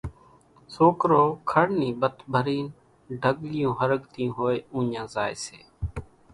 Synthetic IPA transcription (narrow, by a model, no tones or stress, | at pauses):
soːkɾoːkʰəɽniːbət̪bʱəɾiːn | ɖʱəɡlɪjõːɦəɾəɠt̪iːõːɦoːeːũːɲãːzaːḛːsḛː